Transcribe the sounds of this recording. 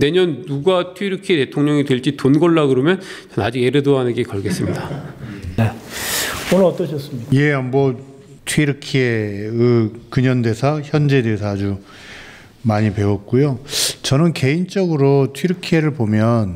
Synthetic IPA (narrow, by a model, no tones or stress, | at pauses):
ne̞ɲʌnnuɡatʰwiɾɯkʰiete̞tʰoŋɲʌŋitweɭt͡ɕ͈itonɡʌɭːaɡɯɾʌmjʌn | t͡ɕʌnad͡ʑiɡe̞ɾɯdoɦanɯɡekʌɭɡe̞s͈ɯmɲidane | onɯɾʌt͈ʌɕʰʌs͈ɯmɲije̞ambʌ | tʰwiɾɯkʰieɯkɯɲʌnde̞sʰaçjʌnd͡ʑe̞de̞sʰaːd͡ʑu | maɲipe̞wʌt̚k͈ujot͡ɕʌnɯnke̞int͡ɕ͈ʌɡɯɾotʰwiɾɯkʰieɾɯɭpomjʌn